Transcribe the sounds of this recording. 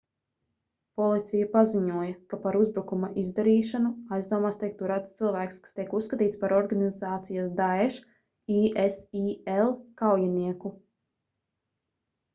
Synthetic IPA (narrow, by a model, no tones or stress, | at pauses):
pɔlˠit̪sʲijapaziɲuɔjakapaɾuzbɾukumaʔizd̪aɾiːʃanuajzd̪uɔmast̪ʲiɛk̚t̪uɾat̪st̪sɨlˠvæːkskḁst̪iɛkusːkat̪iːt̪spaɾɔɾɡanizaːt̪sijasd̪aɛʃ | iʔesielˠkawjaniɛku